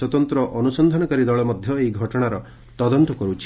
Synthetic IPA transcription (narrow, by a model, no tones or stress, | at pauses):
swɔt̪ɔnt̪ɾɔʔɔnusɔnd̪ʱanɔkaɾid̪ɔɭɔmɔd̪ʱjɔejɡʱɔʈɔɽ̃aɾɔ | t̪ɔd̪ɔnt̪ɔkɔɾut͡ʃʰi